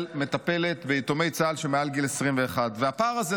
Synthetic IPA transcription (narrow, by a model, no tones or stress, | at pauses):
lme̞t̪ape̞le̞t̪beit̪o̞me̞jt͡salʃemealɡilesʁimveːχad̪veapaʁaze